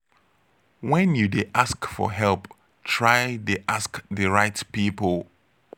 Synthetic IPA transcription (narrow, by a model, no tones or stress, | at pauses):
wɛ̃njudeʔaskfɔ̰ɦɛlp | tʰɹaɪdeʔaskðəɹaɪtpipəlˠ